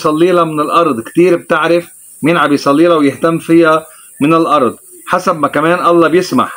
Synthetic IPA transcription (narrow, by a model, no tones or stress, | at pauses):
sˤɑlːiːlamɪnɪlʔɑɾˤd̪ˤkt̪iːɾb̚t̪ɪʕɾɪf | miːnʕabɪjsˤɑlːiːlawjɪht̪amːfɪja | mɪnɪlʔɑɾˤd̪̚ˤ | ħasabmakameːnʔɑlːɑbjɪsma̰ħ